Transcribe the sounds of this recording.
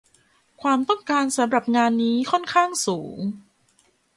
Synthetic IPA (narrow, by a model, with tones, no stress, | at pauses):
kʰwaː˧mt̪ɔ˥˩ŋkaː˧nsa˩˦mɾa˨˩p̚ŋaː˧nːiː˦˥kʰɔ˥˩nkʰaː˥˩ŋsuː˩˦ŋ